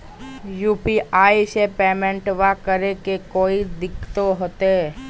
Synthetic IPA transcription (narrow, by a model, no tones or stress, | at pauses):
juːpiʔaːisepeːmẽɳʈʋakəɾekekoːid̪ɪkʰt̪oɦoːt̪eɦɛ